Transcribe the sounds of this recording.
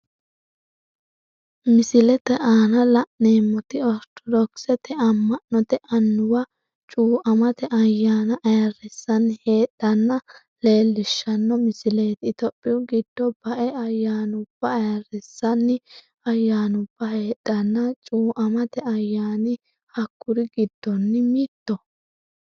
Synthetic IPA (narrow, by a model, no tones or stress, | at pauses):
mɪsɪlɛt̪ɛʔaːnɐlɐʔneːmːɔt̪ɪɔɾt̪ʰɔd̪ɔksɛt̪ɛɐmːɐnːɔt̪ɛʔɐnːʊwɐ | t͡ʃʼuːʔɐmɐt̪ɛʔɐjːaːnɐʔɐjɐrɛsːɐnːhe̞ːɗːɐnːɐ | le̞ːlːɪʃːɐnːɔmɪsɪle̞ːt̪ɪt̪ɔpʼːɪʊɡɪd̪̥ːɔb̥ɐʔɛɐjːaːnʊb̥ːɐːjɐrɛsːɐnːɪ | ɐjːaːnʊb̥ːɐhe̞ːɗːɐnːɐt͡ʃʼuːʔɐmɐt̪ɛɐjːaːnɪ | hɐkːʊɾɪɡɪd̪̥ːɔnːɪmiːt̪ːɔ